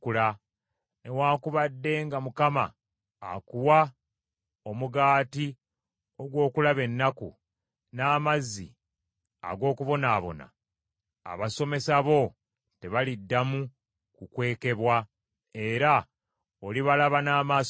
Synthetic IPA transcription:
kula | ne̞waːkuβadːe̞ŋɡamukama̰ː | kuwa | o̞muɡaːti | o̞ɡwo̞ːkulaβe̞nːakṵ | naːmazːḭ | a̰ɡo̞ːkuβo̞naːβo̞̰na̰ː | βaso̞me̞saβo̞ | te̞βalidːamu | kukwe̞ːke̞βwa | e̞ɾa | oliβalaβanaːma

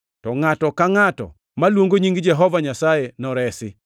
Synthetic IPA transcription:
tɔŋatɔkaŋatɔ̰ | malwoŋɡoɲiŋɡɪd͡ʒɛɦɔvaɲasajenɔɾɛsɪ

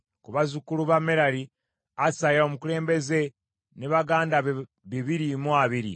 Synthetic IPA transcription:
kuβazukuluβameɾaɾi | asajaomukule̞ːmbe̞ze̞ | neβaɡaːnda | βiβiɾimuaβiɾḭ

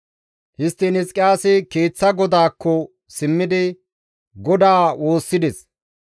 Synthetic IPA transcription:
hɪst̪ːɪnɪskʼːɪjaːsɪke̞ːt͡sːɐɡɔd̪aːkːɔ | sɪmːɪd̪ɪ | ɡɔd̪aːwo̞ːsːɪd̪ɛs

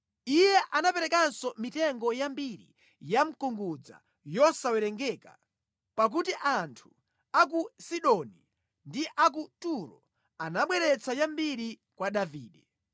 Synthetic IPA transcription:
ijɛʔanapɛɾɛkansɔmitɛŋɡɔjambiɾḭ | jam̩kuŋɡud͡za̰ | jɔsawɛɾɛŋɡɛka | pak̬utiʔantʰu̥ | ak̬usiɗɔni | ndiʔak̬utuɾɔ̰ | anaɓwɛɾɛt͡sʰajambiɾi | kwaɗaviːɗɛ

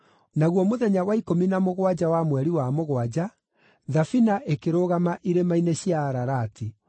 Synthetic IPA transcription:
naɣwɔmoðɛɲawaikominamoɣwad͡ʑawamwɛɾiwamoɣwad͡ʑa | ðafinaʔekeɾoːɣamaʔiɾemaineɕjaːɾaɾaːtʰi

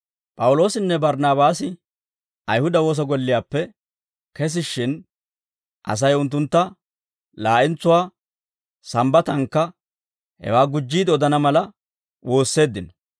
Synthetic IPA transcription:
pʼɐwlo̞ːsɪnːɛbɐɾnaːbaːsɪ | ʔɐjhʊd̪ɐwo̞ːs̬ɐɡɔlːɪjaːpːɛ | kɛs̬ɪʃːɪn | ʔɐ̰s̬ɐjʊnt̪̬ːʊnt̪ːɐ | laːʔɪnt͡sːʊwaː | sɐmbɐt̪ɐŋkːɐ | hɛ̰waːɡʊd͡ʒːiːd̪ɪɔd̪ɐnɐmɐlɐ | wo̞ːsːe̞ːd̪ːɪnɐ

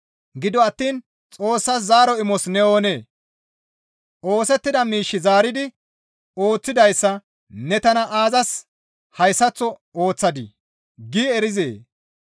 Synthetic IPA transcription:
ɡɪd̪ɔɐt̪ːiːn | t͡sʼo̞ːsːɐszaːɾɔɪmɔsnɛo̞ːne̞ː | ʔo̞ːsɛt̪ːɪd̪ɐmiːʃːɪzaːɾɪd̪ɪ | o̞ːt͡sːɪd̪ɐjsːɐ | nɛt̪ɐnɐʔaːzɐs | hɐjsːɐt͡sːɔoːt͡sːɐd̪ɪ̰ | ɡiːɛɾɪzḛː

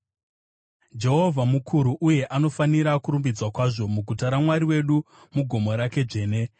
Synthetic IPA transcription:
d͡ʒe̞ɦo̞vʱamukʰuɾuʔuje̞ʔano̞faniɾakuɾumbid͡zwakwaʐo̞muɡʱutaɾamwaɾiwe̞ɗu | muɡʱo̞mo̞ɾake̞d͡ʐe̞ːne̞

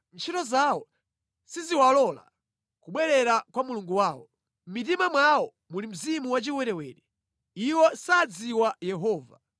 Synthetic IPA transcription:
n̩t͡ʃʰitɔzawɔ | siziwalɔla̰ | kuɓwɛlɛɾakwamuluŋɡuwaːwɔ | m̩mitimamwawɔ | mulim̩zimuwat͡ʃiwɛɾɛwɛːɾɛ | iwɔsaːd͡ziwajɛɦɔːva̰

